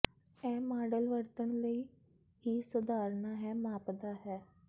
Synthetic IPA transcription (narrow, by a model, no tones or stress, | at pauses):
ɛ̃ːmaːɖəlʋəɾt̪əɳləiː | ɦiːsʊd̪aːɾnaːɦɛːmaːpd̪aːɦɛː